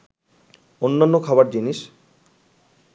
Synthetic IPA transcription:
onːanːokʰabaɾd͡ʑiniʃ

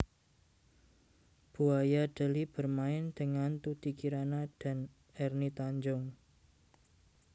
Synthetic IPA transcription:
b̥uajaɖ̥ə̤lib̥ərmaɪnd̪̥ə̤ŋant̪ut̪ikiɾanad̥a̤n | ɛrnit̪aɲd͡ʒʊŋ

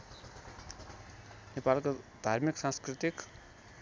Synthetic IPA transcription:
nepalkod̪ʱarmiksãnskɾit̪ik

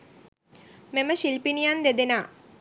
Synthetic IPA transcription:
mɛməʃilpinijand̪ed̪enaː

